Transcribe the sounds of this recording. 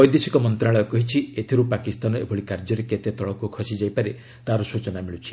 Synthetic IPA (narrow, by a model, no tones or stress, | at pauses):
ɔjd̪esikɔmɔnt̪ɾaɭɔjɔkɔɦit͡ʃʰiet̪ʰiɾupakist̪anɔḛbʱɔɭikaɾd͡ʒɔɾeket̪et̪ɔɭɔkukʰɔsid͡ʒajpaɾe | t̪aɾɔsut͡ʃɔnamiɭut͡ʃʰi̥